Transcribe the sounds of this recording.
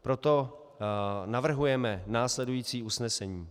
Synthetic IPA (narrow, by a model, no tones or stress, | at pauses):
pɾo̞t̪o̞ | navr̩ɦujɛmɛnaːslɛdujiːt͡siːusnɛsɛɲiː